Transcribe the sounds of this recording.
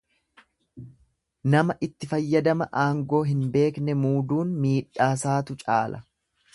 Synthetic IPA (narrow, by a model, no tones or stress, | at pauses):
nɐmɐʔɪt̪ːɪfɐjːɐd̪ɐmɐʔaːŋɡo̞ːɦɪnbe̞ːknɛmuːd̪uːnmiːᶑaːsaːt̪ʊt͡ʃʼaːlɐ